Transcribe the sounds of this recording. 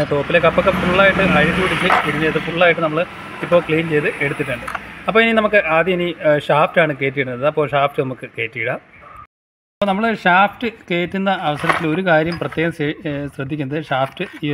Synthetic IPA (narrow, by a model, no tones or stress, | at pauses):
t̪o̞ːpːilekɐpːokːefuɭːaːjiʈːɨʔɐjɐkuiɽit͡ɕːɨiɽinːeɐðɨfuɭːaːjiʈːɨnɐmːɐɭɨ | ipːo̞ːkɭijnt͡ɕe̞jt̪ɨʔe̞ɽut̪ːiʈːɨɳɖɨɐpːo̞ːininɐmukːɨʔaːd̪jɐiniɕaːftaːɳɨke̞ːt̬ːijɽunːɐðɨɐpːoːɕaːfʈɨnɐmukːɨke̞ːtːijiɽaː | ɐɐpːoːnɐmːɐɭɨɕaːftɨke̞ːtːunːɐːʋɐsɐɾɐt̪ːilo̞ɾukaːɾjɐmprɐt̪ːjeːɣɐmsɕrɐd̪ʱːikʲːunːɐðɨɕaːftɨ